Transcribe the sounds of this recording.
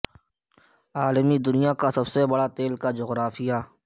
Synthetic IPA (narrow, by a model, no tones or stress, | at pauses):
aːləmid̪ʊnijakasɐbsebɐɽat̪eːlkad͡ʒʊɣɾaːfija